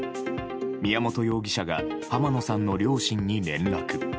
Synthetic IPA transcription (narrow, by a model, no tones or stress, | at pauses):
mʲijamo̞t̪o̞jo̞ːɡʲiɕaɡa | pamano̞sãnːo̞ɾʲo̞ːɕĩɲ̟ːiɾẽ̞nɾakɯ̟